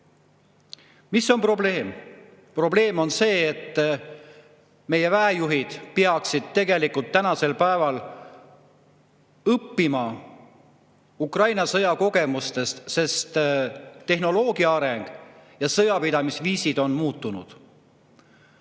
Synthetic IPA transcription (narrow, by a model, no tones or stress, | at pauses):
miso̞npro̞ble̞ːm | pro̞ble̞ːmo̞nse̞ːt̪ː | me̞je̞væejuɦid̪̥peɑksid̪̥̚t̪e̞ɡe̞likult̪ːænɑse̞lpæevɑl | ɤpːimɑ | ukrɑjnɑsɤjɑko̞ɡ̥e̞must̪e̞st̪se̞st̪t̪e̞hno̞lo̞ːɡiɑɑɾe̞ŋɡ̥jɑsɤjɑpid̪̥ɑmisviːsid̪̥o̞nmuːt̪ːˑunud̪̥